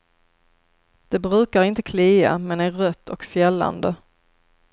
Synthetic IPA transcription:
d̪̥ɛbɾʉ̟ːkaɾɪnt̪ə̥kʰliːa̰mɛnæɾːœt̪ʰːɔkfjɛlːa̰nd̪ə

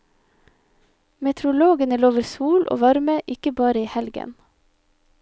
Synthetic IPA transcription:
mɛt̪ʰɾʊloːɡənəloːʋəɾsuːlʔo̰ːʋɑɾməʔɪkəbɑːɾəiːhɛlɡə̰n

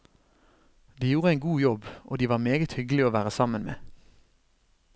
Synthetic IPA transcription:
d̪iːjuːʁəæɪŋɡuːjɔbʔo̰ːd̪iːʋɑːʁmeːɡət̪hʏɡlɪoːʋæːʁəsɑmənmḛː

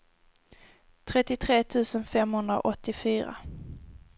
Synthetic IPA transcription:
t̪ʰɾɛt̪ːɪt̪ʰɾeːt̪ʰʉ̟ːsənfɛmhɵnd̪ɾa̰ʔɔt̪ːɪfyːɾa̰

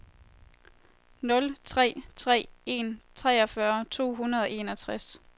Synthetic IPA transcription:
nɔ̽lt͡sʰʁɛ̰ːt͡sʰʁɛ̰ːe̝̰nt͡sʰʁɛːɒ̽fɶɐt͡sʰo̝̰ːɦunɐð̞ˠɒ̽ʔe̝nɒ̽t͡sʰʁas

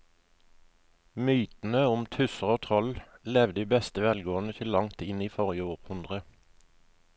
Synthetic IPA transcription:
myːt̪n̩əʊmt̪ʰʉsəʁoːt̪ʰɔllɛʋd̪iːbɛst̪əʋɛlɡoːnət̪ʰɪlːɑŋt̪ɪniːfɔʁjəoːʁhʉnd̪ʁə

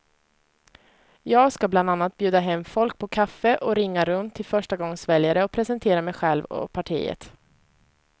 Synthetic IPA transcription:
jɑːɡskabland̪anːat̪̚bjʉ̟ːd̪aɦɛmːfɔlk̚pʰɔkʰafːəʔɔɾɪŋːaɾɵnt̪ʰːɪlfœʂʈaɡɔŋːsvɛljaɾəɔpʰɾɛsənt̪ʰeːɾamɛjɧɛlvɔ̰pʰaʈʰḭːə̰t̪

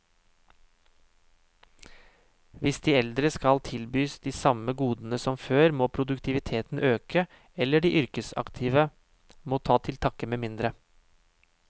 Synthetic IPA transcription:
ʋɪsd̪iːɛld̪ɾəskɑlt̪ʰɪlbyːsd̪iːsɑməɡuːd̪n̩əsɔmføːɾmoːpʰɾʊd̪ʉkt̪ʰɪʋɪt̪ʰeːt̪n̩ʔøːkə | ɛlːəɖiːʔʏɾkəsɑ̰kt̪ʰɪʋə | moːt̪ʰɑːt̪ʰɪlt̪ʰɑkəmeːmɪnd̪ɾə

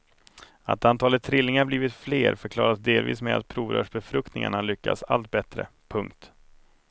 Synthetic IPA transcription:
a̰t̪ant̪ʰɑːlət̪ʰːɾɪlːɪŋaɾbliːvɪt̪fleːɾfœɾkʰlɑ̰ːɾasd̪eːlvḭːsmɛd̪a̰t̪̚pʰɾuːvɾœ̰ːʂbɛfɾɵkt̪nɪŋa̰ɳaɭʏkːa̰sa̰lt̪̚bɛt̪ɾə̰ | pʰɵŋkt̪

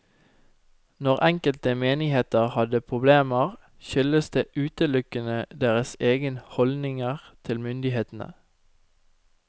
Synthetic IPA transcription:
nɔʁʔɛŋkəlt̪əmeːnɪheːt̪əʁhɑd̪əpʰʁʊbleːməʁ | ʃʏləsd̪eːʔʉːt̪əlʉkənəd̪eːʁəseːɡənhɔld̪nɪŋəʁt̪ʰɪlmʏnd̪ɪheːt̪n̩ə̰

